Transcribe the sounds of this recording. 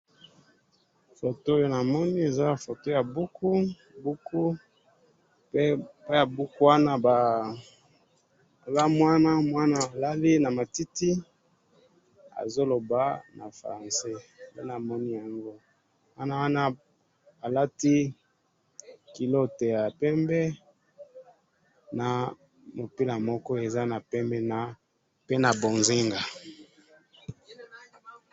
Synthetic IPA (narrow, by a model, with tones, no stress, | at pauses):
fo˨to˦o˦jo˦na˨mɔ˦ni˦e˨za˦a˨fo˨to˦ja˨bu˦ku˦˨ | bu˦kʰu˦ | pe˦pa˦ja˨bu˦ku˦wa˦na˦ba˨ | za˦mwa˦na˦mwa˦naː˦˨la˦li˦na˨ma˨ti˦ti˦ | a̰˨zo˦lo˨ba˦na̰˨fʁã˨se˦be˦na˨mɔ˦ni˦ja˨ŋɡo˦ | wa˦na˦wa˦na˦ | a˨la˦ti˦ | ki˨lo˦te˨ja˨pɛ˦mbɛ˦ | na˨ | mo˨pi˦la˨mɔ˦kɔ˦e˨za˦na˨pɛ˦mbɛ˦na˨ | pe˦na˨bo˨nzi˦ŋɡa˨